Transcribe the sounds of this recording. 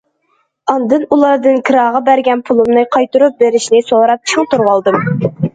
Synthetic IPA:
ɑnd̪ɨnulˠɑɾd̪ɨnkʰɨɾɑːʁɑbæɾɡʲɛnpʰulˠɨmnɨqʰɑjt̪uɾup̚beɾɪʃnɪsoɾɑp̚t͡ʃʰuŋt̪uɾʁɑlˠd̪ɨm

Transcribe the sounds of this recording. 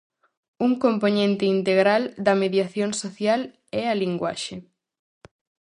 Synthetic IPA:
uŋkomponẽnt̪ɪint̪eɣɾald̪ɐmeðjaθjoŋsoθjal | ɛaliŋɡwa̰ʃe

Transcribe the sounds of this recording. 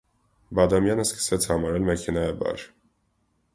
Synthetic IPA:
bɑd̪ɑmjɑnəskə̥sɛt͡sʰhɑmɑɾɛlmɛkʰɛnɑjəbɑ̰ɾ

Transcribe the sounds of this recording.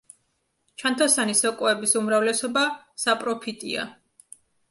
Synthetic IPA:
t͡ʃʰant̪ʰasanisɔkʼuɛbisumɾavlɛsɔba | sapʼɾɔpʰit̪ʼḭa̰

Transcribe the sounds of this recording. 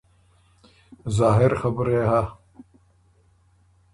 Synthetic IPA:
zɑːɦɪɾxabɾeha

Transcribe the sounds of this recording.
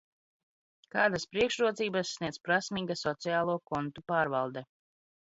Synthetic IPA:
kaːd̪aspɾiɛkʃɾuɔt̪ziːbasːniɛd̪zpɾasmiːɡasɔt̪sijaːlˠuɔkɔnt̪upaːɾvalˠd̪ɛ

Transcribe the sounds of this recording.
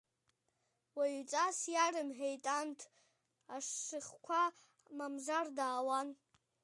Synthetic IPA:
waɥt͡sʼasjarɨmħejtʼantʰ | aʂɨχkʷʰa | mamzardaːwan

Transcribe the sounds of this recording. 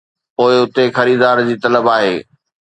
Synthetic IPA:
poːɪʊt̪exɐɾiːd̪aːɾd͡ʑiːt̪ɐləbaːɦeː

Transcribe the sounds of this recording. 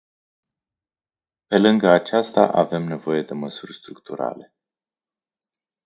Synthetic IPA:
pe̞lɨŋɡəat͡ʃast̪a̰ʔave̞mne̞vo̞je̞d̪e̞məsurʲst̪ɾukt̪uɾa̰le̞

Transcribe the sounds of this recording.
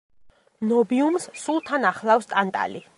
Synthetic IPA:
nɔbiumssulˠt̪ʰanaχlˠafst̪ʼant̪ʼa̰li

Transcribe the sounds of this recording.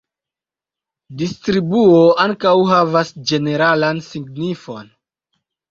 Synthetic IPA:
distɾibuoaŋkawɦavasd͡ʒe̞ne̞ɾalansiɡnifo̞n

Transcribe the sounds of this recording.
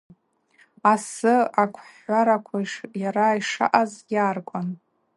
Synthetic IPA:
asɨakʷʰħaɾakʷʰaiʂjaɾaiʂa̰ʔazɡʲaːrkʷʼan

